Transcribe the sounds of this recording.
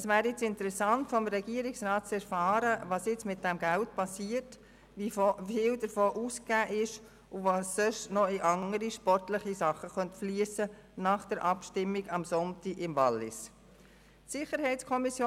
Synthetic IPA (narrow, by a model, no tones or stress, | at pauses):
əsvæːɾjɪt͡sɪntəɾɛsɑntfɔmɾɛɡ̥iːəɾɪksɾɑːt̚t͡sɛɾfɑːɾəʋɑːsjɪt͡smɪt̚d̥ɛmɡæltpʰɑsiːət | ʋifiːldəɾfoːʔuːskɡ̥æːʔɪʃ | ʊvɑsːøʃnɔiʔɑŋəɾiʃpɔɾtlɪχisɑχəχœntfliːəsənɑːχd̥əɾʔɑpʃtɪmːɪɡɑmsɔntiɡɪmvɑlːɪ̰s | tsɪχəɾɦɛɪtskʰɔmisjoː